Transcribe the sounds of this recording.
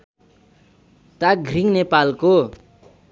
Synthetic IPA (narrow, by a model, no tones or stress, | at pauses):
t̪aɡriŋnepalko